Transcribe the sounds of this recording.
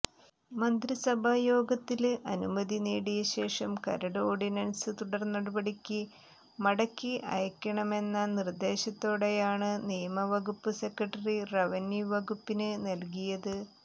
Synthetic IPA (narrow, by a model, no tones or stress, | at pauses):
mɐnd̪ɾisɐbʱaːjo̞ːɡɐt̪ːilʔɐnumɐðineːɽijɐɕe̞ːʂɐmkɐ̰ɾɐɽoːɖinɐnsɨt̪uɽɐrnːɐɽɐbɐɽikʲːɨ | mɐɽɐkːiʔɐ̰jɐkʲːɐɳɐme̞nːɐnird̪e̞ːɕɐt̪ːo̞ːɽe̞jaːɳɨnijɐmɐʋɐɡupːɨse̞kːɐʈːɐrirɐʋɐnjuʋɐɡupːinɨnɐlk̬ijɐðɨ